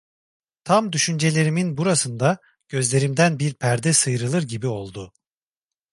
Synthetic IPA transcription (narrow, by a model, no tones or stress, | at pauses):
t̪ʰamd̪yʃynd͡ʒe̞lʲe̞ɾiminbuɾasɯnd̪a | ɟ̥ø̞zlʲe̞ɾimd̪ænbiɾpʰæɾd̪ɛsɯjɾɯlˠɯɾɟibio̞lˠd̪ʊ